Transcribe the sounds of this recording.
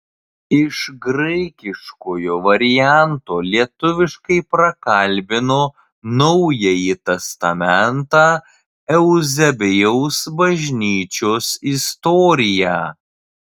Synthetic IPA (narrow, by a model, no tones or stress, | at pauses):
ɪʃɡɾɐɪkʲɪʃkoːjoːʋɐɾʲɪjænt̪oːlʲiɛt̪ʊʋʲɪʃkɐɪpɾɐkɐlʲbʲɪnoː | nɐʊjɛjit̪ʲɛst̪ɐmʲɛnt̪ɑː | ɛʊzʲɛbʲɪjɛʊsbɐʒʲnʲiːt͡ʃʲoːsɪst̪ɔːɾʲɪjæː